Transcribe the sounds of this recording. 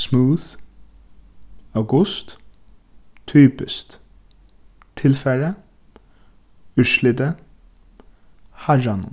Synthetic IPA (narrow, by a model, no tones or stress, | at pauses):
smuːð | awɡʊst̪ | t̪ʰːyːpɪst̪ | t̪ʰɪlfɛɹə | ʉʃlɪd̪ə | had͡ʒanʊ̰